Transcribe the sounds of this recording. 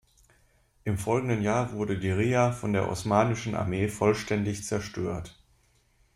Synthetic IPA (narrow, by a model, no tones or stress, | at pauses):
ʔɪmfɔlɡŋ̩dənjaːɐvʊɐdədiʁiːafɔndeːɐʔɔ̰smaːnɪʃn̩ʔa̰ɐmeːfɔlʃtɛndɪçt͡sɛɐʃtʰøːɐt